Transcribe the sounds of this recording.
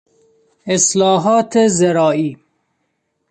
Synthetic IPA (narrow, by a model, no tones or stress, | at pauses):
eslɔːɦɔːt̪ʰezeɾɔːiː